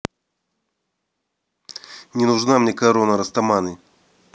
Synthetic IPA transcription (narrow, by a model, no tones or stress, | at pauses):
nʲɪnʊʐnamnʲekɐɾonəɾɐst̪ɐmanɨ